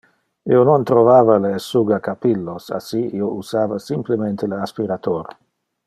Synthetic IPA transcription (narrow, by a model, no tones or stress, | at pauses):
ionont̪ɾovaːvalesuɡakapilːosa̰siiousaːvasimplemẽnt̪eleaspiɾat̪oɾ